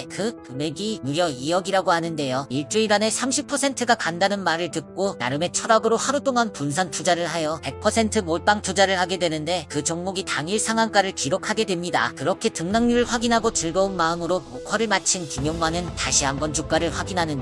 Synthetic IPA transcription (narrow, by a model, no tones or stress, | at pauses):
kɯkɯme̞ɡinuɾjʌiʌɡiɾaɡohanɯnde̞joiɭt͡ɕ͈uiɾane̞sʰamɕʰipʰʌsʰe̞ntʰɯɡakandanɯnmaɾɯɭtɯk̚k͈ona̰ɾɯme̞t͡ɕʰʌɾaɡɯɾohaɾut͈oŋanpunsʰantud͡ʑaɾɯɭhajʌpe̞k̚pʰʌsʰe̞ntʰɯmoɭ̚p͈aŋtud͡ʑaɾɯɭhaɡe̞dwe̞nɯnde̞kɯt͡ɕʌŋmuɡitaŋiɭsʰaŋɦaŋk͈aɾɯɭkiɾokʰaɡe̞dwe̞mɲida̰kɯɾʌkʰe̞tɯŋnaŋɲuɾɯɭɸwaɡinɦaɡot͡ɕɯɭɡʌunmaɯmɯɾomokʰwaɾɯɭmat͡ɕʰinkiɲjʌŋmanɯntaɕʰiɦamɡʌnd͡ʑuk̚k͈aɾɯɭɸwaɡinɦanɯnd